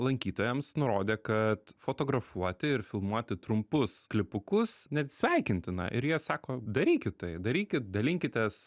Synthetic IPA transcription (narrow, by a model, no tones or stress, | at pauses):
lˠɐŋʲkʲiːt̪oːjɛmsnʊɾoːd̪ʲeːkɐt̪foːt̪oːɡɾɐfuɔt̪ʲɪɪɾfʲɪlˠmuɔt̪ʲɪt̪ɾʊmpʊsklʲɪpʊkʊsnʲɛt̪sʲʋʲɛɪkʲɪnʲt̪ʲɪnɐ̰ʔɪɾjiɛsɑːkoːd̪ɐɾʲiːkʲɪt̪t̪ɐɪd̪ɐɾʲiːkʲɪt̪̚d̪ɐlʲɪŋʲkʲɪt̪ʲeːs